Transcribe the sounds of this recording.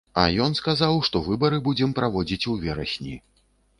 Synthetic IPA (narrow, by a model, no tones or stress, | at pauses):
ɐ̰jɔnskazawʂt̪ɔvɨbɐɾɨbud͡zʲɛmpɾavɔd͡zʲit͡sʲuvʲɛɾɐ̰sʲnʲi